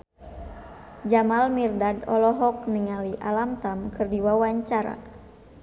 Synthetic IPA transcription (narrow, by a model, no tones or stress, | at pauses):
d͡ʒamalmirdadɔlɔɦɔk̚niŋaliʔalamt̪amkɨrdiwawaɲt͡ʃaɾa̰